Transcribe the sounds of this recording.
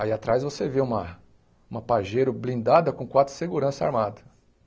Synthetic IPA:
aiat̪ɾajzvoseveũmɐ | ũmɐpaʒejɾʊblĩnd̪ad̪ɐkõkwat̪ɾʊ̥seɡuɾɐ̃sɐa̰ɾmad̪ɐ

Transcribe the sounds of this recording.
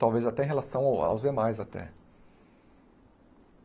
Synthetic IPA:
t̪awvejzat̪ɛẽɦelasɐ̃w̃awa̰wzd̪emajzat̪ɛ̰

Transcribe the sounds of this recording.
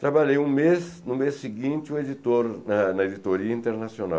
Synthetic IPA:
t̪ɾabaʎejũmesnʊmesːiɡĩnt͡ʃɪued͡ʒ̪it̪oɾnɐnɐed͡ʒ̪it̪oɾiɐĩnt̪eɾnasionaw

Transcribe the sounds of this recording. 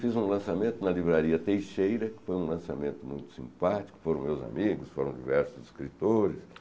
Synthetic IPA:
fizũlɐ̃samẽnt̪ʊnɐlivɾaɾiɐt̪ejʃejɾɐkɪ̥fojũlɐ̃samẽnt̪ʊmũj̃t̪ʊ̥sḭ̃mpat͡ʃi̥kʊ̥foɾɐ̃w̃mewza̰miɡʊsfoɾɐ̃w̃d͡ʒḭvɛɾsʊziskɾit̪oɾɪs

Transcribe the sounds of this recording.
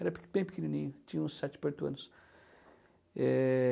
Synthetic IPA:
ɛɾɐb̥ẽj̃pikinĩnĩɲʊt͡ʃĩɲɐ̃ũsɛt͡ʃɪ̥peɾt̪uɐ̰̃nʊs | ɛ

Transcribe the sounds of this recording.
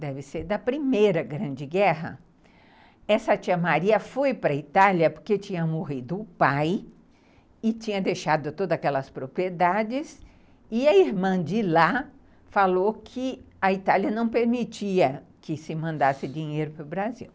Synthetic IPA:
d̪ɛvɪseɾd̪ɐpɾimejɾɐɡɾɐ̃d͡ʒɪɡɛɦɐ̰ | ɛsɐt͡ʃiɐmaɾiɐfojpɾɐit̪aljɐpoɾket͡ʃĩɲɐmoɦid̪ʊʊpaj | ɪt͡ʃĩɲɐd̪ejʃad̪ʊt̪od̪ɐzakɛlɐspɾopɾied̪ad͡ʒɪs | ɪɐiɾmɐ̃d͡ʒɪla | falokʰɪ | ɐit̪aliɐnɐ̃w̃peɾmit͡ʃiɐkɪsɪmɐ̃nd̪asɪd͡ʒiɲejɾʊpɾʊbɾazḭw

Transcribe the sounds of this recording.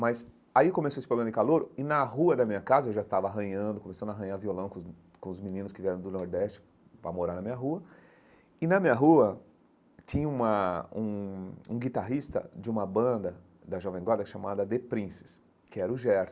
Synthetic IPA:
mɐs | aikomesoesɪpɾoɡɐ̃mɐd͡ʒɪkaloɾʊɪnɐɦuɐd̪ɐmĩɲɐkazɐewʒast̪avɐaɦɐ̃ɲɐ̃nd̪ʊkõmesɐ̃nd̪aɦɐ̃ɲaɾviolɐ̃d̪ʊk | kõʊzminĩnʊskɪviɛɾɐ̃w̃d̪ʊnoɾd̪ɛst͡ʃɪ̥ | pɾɐ̰moɾaɾnɐmĩɲɐɦuɐ | ɪnɐmĩɲɐɦuɐ | t͡ʃĩɲɐũmɐũũɡit̪aɦist̪ɐ̰d͡ʒɪũmɐbɐ̃d̪ɐ | d̪ɐʒɔvẽɡwaɾd̪ɐʃamad̪ɐd̪epɾĩsɪ̥s | kɪɛɾʊʒɛɾs

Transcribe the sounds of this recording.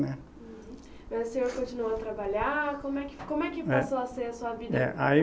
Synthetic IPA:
nɛ̃ | mɛseekõt͡ʃinuɐt̪ɾabaʎaɾkõmʊɛkɪ̥kõmʊɛkɪpasoaseɾɐsuɐvid̪ɐɛ̰ʔai

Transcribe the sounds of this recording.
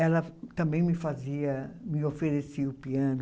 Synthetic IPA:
ɛlɐt̪ɐ̃mbẽj̃mɪfaziɐmɪofeɾesiʊpiɐ̃nʊ

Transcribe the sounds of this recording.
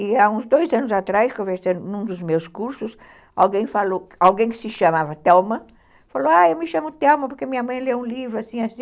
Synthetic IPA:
iaũzd̪ojzɐ̃nʊzat̪ɾajskõveɾsɐ̃nd̪ʊnũd̪ʊzmewskuɾsʊs | a̰wɡẽj̃faloawɡẽj̃kɪ̥sɪʃɐmavɐt̪ɛwmɐ | faloaewmɪʃɐ̃mʊt̪ɛwmɐpoɾkeɐmĩɲɐmɐ̃j̃lewũlivɾʊasĩasĩ

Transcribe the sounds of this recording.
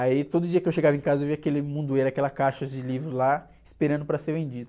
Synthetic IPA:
ait̪od̪ʊd͡ʒiɐkɪewʃeɡavɐẽkazɐewviɐkelɪmũnd̪ueɾakɛlɐkaʃɐd͡ʒɪlivɾʊla | ɪ̥speɾɐ̃nd̪ʊpɾɐseɾvẽnd͡ʒid̪ʊ

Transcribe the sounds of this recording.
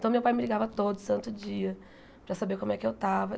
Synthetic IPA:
t̪ɐ̃w̃mewpajmɪliɡavɐt̪od̪ʊst̪ɐ̃nt̪ʊd͡ʒiɐ | pɾɐsabeɾkõmʊɛkɪewt̪avɐ

